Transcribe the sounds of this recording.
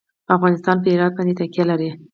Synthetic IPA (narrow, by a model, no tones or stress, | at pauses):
afɣɑnɪst̪ɑnpəɪɾɑd̪̚bɑnd̪et̪akjalaɾi